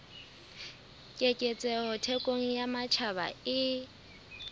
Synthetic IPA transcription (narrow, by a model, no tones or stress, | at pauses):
kʼekʼɛt͡sʼɛhɔtʰɛkʼoŋ̩jamat͡ʃʰaba̰ɪ